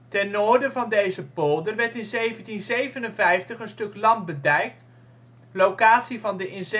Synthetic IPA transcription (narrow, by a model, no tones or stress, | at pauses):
tɛnːoːɹdəvɑndejzəpolˠdərʋɛɹtɪnzejvəntinzejvənənvɛjftəχənstɵklɑn̚bədɛjk̚t | lowkaːtsivɑndəʔɪns